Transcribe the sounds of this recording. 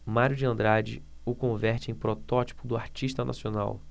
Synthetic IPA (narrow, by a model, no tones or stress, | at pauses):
maɾjʊd͡ʒɪɐ̃nd̪ɾad͡ʒɪ̰ | ʊkõvɛɾt͡ʃɪẽj̃pɾɔt̪ɔt͡ʃi̥pʊd̪ʊa̰ɾt͡ʃiʃt̪ɐnʔa̰siona̰w